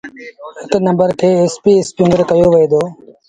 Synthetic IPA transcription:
hɪknə̃mbəɾkʰeːeːspiːespjũːŋɡəɾkəjoːʋeːd̪oː

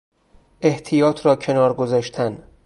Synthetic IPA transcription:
ʔe̞ht̪ʰijɒːt̪ʰɾɒːcʰe̞nɒːɾɡozɒːʃt̪ʰæn

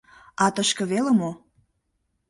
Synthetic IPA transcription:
ɑt̪əʃkɤ̆βelə̆mo

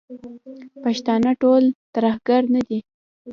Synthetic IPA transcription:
paʃt̪ɑnaʈolt̪aɾahɡaɾnad̪i

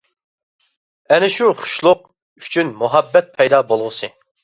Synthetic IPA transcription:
ɛnɪʃuχʊ̥ʃlˠʊq̚ | y̥t͡ʃʰynmuɦɛbːɛt̪̚pʰɛjd̪ɑbolˠʁʊsɨ

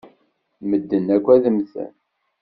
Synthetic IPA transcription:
məd̪ːənækʷːæðəmθæ̰n

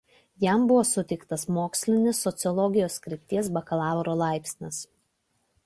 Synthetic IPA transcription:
jæmbʊʋoːsʊt̪ʲɛɪkt̪ɐsmoːksʲlʲɪnʲɪsːɔt̪sʲɨɔlˠɔɡʲɪjoːskɾʲɪp̚ʲt̪ʲiɛsbɐkɐlˠɑːʋɾoːlˠɑˑɪpʲsʲnʲɪs

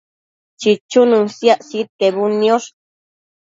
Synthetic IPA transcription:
t͡ʃit͡ʃununsjaʔsit̪̚keβunjoʂ

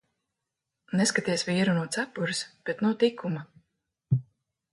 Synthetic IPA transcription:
nɛskat̪iɛsviɛɾunuɔt̪sapuɾɨsb̥et̪nuwt̪ikʰːuma

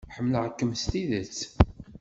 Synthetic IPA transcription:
ħəmːləʕəkːəmst̪iðət͡sː

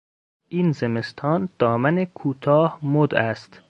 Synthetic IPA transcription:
ʔiːnzeme̞st̪ʰɒːnd̪̥ɒːmænekʰuːt̪ʰɒːhmod̪æst̪

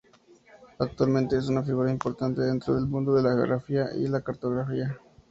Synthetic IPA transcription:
ak̚t̪walmẽ̞nt̪e̞es̬unafiɣuɾaimpoɾt̪ant̪e̞ðe̞nt̪ɾo̞ð̞e̞lmũnd̪o̞ðelaxeo̰ɣɾafiaʔḭlakaɾt̪o̞ɣɾafia

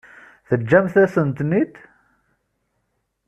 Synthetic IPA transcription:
θəd͡ʒːæmθæsənt̪nit̪

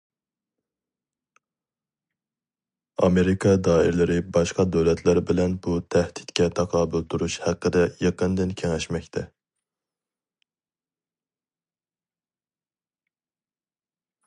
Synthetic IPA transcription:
ɑ̰meɾikʰɑd̪ɑːɪ̰ɾlɪɾɪbɑʃqɑd̪øwlɛt̪ʰlæɾbɪlɛnbut̪ʰɛhd̪̥i̥t̪kʲɛt̪ʰɑqʰɑːbyld̪uɾuʃhæqːəd̪ɛjɑqənd̪ɨnkʲʰeŋɛʃmɛkʲt̪ʰɛ

